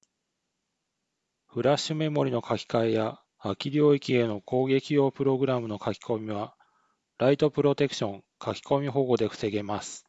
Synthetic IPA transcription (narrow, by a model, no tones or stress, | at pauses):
ɸɯ̟ɾaɕɨme̞mo̞ɾʲino̞kʰakʲi̥kaejaː | kʲiɾʲioːikʲie̞no̞ko̞ːɡe̞kʲijo̞ːpɯ̟ɾo̞ɡɯ̟ɾamɯ̟no̞kʰakʲi̥ko̞mʲiβa | ɾait̪o̞pɯ̟ɾo̞t̪e̞kɯ̥ɕõ̞ŋ | kʰakʲi̥ko̞mʲiɦo̞ːɡo̞d̪e̞ɸɯ̟̥se̞ɡe̞masɨ̥